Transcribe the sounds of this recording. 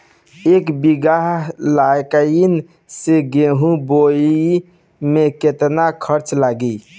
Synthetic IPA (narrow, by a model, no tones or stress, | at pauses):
ekbiɡaɦlajkəin | seɡeɦũboi | meket̪nakʰəɾt͡ʃlaɡi